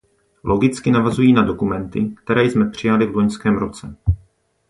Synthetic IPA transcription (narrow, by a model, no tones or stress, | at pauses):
lʔo̞ɡɪt͡skɪnavazujiːnado̞kumɛnt̪ɪkt̪ɛɾɛːjsmɛpr̝̥ɪjalɪvlo̞ɲskɛːmɾo̞t͡sɛ